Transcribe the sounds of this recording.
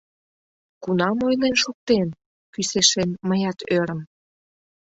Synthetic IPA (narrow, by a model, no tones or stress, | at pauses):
kunɑmojnenʃuk̚t̪en | kyseʃenməjɑt̪øɾə̆m